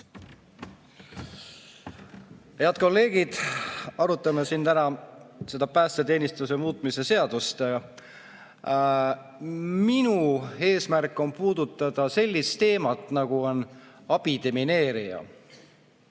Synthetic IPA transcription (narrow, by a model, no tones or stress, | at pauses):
heɑt̪̚ko̞lːe̞ːɡ̥id̪̥ɑɾut̪ːˑɑmesint̪ænɑse̞d̪̥ɑpæːst̪et̪e̞ːnʲist̪use̞muːt̪ˑmise̞se̞ɑd̪̥ust̪e | minue̞ːsmærkːˑo̞mpuːd̪̥ut̪ːˑɑd̪̥ɑse̞lʲːist̪e̞ːmɑt̪ˑnɑɡ̥uo̞n | ɑb̥id̪̥e̞mine̞ːɾijɑ̰